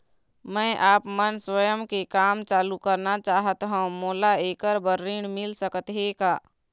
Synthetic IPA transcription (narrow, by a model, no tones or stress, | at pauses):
mɛ̃ːʔaːpmənswəjəmkekaːmt͡ʃaːlukəɾnat͡ʃaːɦət̪ɦõmoːlaeːkəɾbəɾːiːɳ̃mɪlsəkət̪ɦekaː